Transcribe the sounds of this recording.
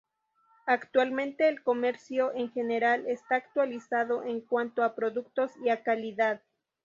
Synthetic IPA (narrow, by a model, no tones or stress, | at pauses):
akt̪walmẽ̞nt̪e̞ːlko̞me̞ɾsjo̞ʔeŋxe̞neɾalest̪aːk̚t̪walisaðo̞ʔeŋkwant̪oapɾo̞ðuk̚t̪o̞siakaliðað